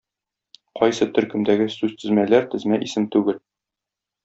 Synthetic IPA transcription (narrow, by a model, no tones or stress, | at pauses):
qɒjsɤt̪ɵ̆ɾkɵ̆md̪æɡɘsʉz̥t̪ɘ̆zmælæɾt̪ɘ̆zmæʔisɘmt̪ʉɡɘl